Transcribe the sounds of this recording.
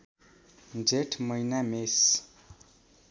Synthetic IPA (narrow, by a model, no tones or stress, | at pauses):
nd͡zeʈʰmʌjnames